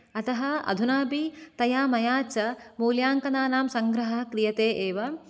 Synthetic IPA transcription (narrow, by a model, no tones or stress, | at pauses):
ɐt̪ɐɦɐɐ̰d̪ʱunaːbit̪ɐjaːmɐjaːt͡ʃɐmuːljaːŋkɐnaːnaːmsɐŋɡɾɐɦɐkɾijɐt̪eːʔeːʋɐ